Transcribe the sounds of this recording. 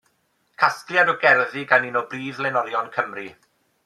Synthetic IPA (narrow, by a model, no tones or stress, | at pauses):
kʰaskljadɔɡɛrðiɡaninɔbriːðlɛnɔljɔnkʰəmri